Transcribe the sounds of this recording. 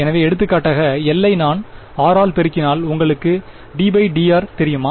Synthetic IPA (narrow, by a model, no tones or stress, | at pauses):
ɛnɐʋeːɛɽɯt̪̬ːɯkːaːʈːaːɣɐɛlːɐɪnaːn | aːɾaːɭpɛɾɯkːɪnaːlʊŋɡɐɭɯkːɯ | ɖiːbɐɪɖiːaːɾt̪ɛɾɪjɯmaː